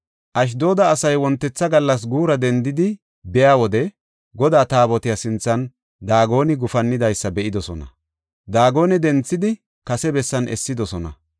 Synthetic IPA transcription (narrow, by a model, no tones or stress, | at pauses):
ʔɐʃ̬d̪o̞ːd̪ɐːsɐjwɔnt̪ːɛt͡sːɐɡɐlːɐs̬ɡuːɾɐd̪ɛnd̪ɪd̪ɪ | bɛjaːwɔd̪ɛ | ɡɔd̪aːt̪aːbɔt̪ɪjasɪnt͡sːɐn | d̪aːɡo̞ːnɪɡʊfɐnːɪd̪ɐjsːɐbɛʔɪd̪ɔsɔnɐ̰ | d̪aːɡo̞ːnɛd̪ɛnt͡sːɪd̪ɪ | kɐsɛbɛsːɐnʔɛ̰sːɪd̪ɔsɔnɐ̰